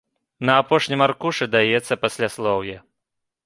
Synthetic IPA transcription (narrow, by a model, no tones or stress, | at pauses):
nɐːpɔʂnʲimarkuʂɨd̪ajɛt̪sːɐpasʲlʲaslˠɔwjɛ